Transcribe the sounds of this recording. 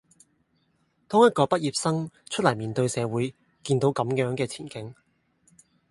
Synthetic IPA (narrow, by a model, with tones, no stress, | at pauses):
t̪ʰʊː˥ŋjɐ˥t̚kɔː˧pɐ˥t̚jiː˨p̚sɐ˥ŋt͡ʃʰɵ˥t̚lɐ˨˩jmiː˨˩nt̪ɵ˧ɥsɛː˨˧wuː˨˥j | kiː˧nt̪o˨˧wkɐ˨˧˥mjœː˨˥ŋkɛː˧t͡sʰiː˨˩nkɪ˨˥ŋ